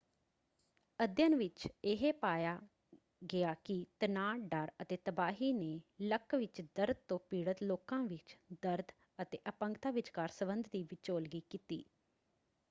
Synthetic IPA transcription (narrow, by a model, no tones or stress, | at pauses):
əd̪jənʋɪt͡ʃɪɦeːpaːjaː | ɡɪaːkɪt̪ənaːɖəɾət̪eːt̪əbaːɦiːneːləkʋɪt͡ʃd̪əɾd̪̚t̪õːpiːɽət̪loːkãːʋɪt͡ʃd̪əɾd̪ | ət̪eːʔəpə̃ŋkt̪aːʋɪt͡ʃkaːɾsəbənd̪d̪iːʋɪt͡ʃoːlɡiːkiːt̪ḭː